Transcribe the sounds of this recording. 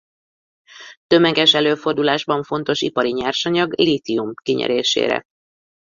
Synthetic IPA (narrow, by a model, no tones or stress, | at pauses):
t̪ø̞mɛɡɛʃɛløːfo̞rd̪ulaːʒbɒɱfo̞n̪t̪o̞ʃḭpɒɾiɲaːrʃɒɲɒɡlit̪iumkiɲɛ̰ɾeːʃḛːɾɛ̰